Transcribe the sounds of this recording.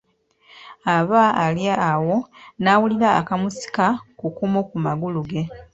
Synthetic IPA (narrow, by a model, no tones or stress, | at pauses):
aβaːljaːwo̞nawuliɾa̰ːkamusi̥kakukumokumaɡuluɡe̞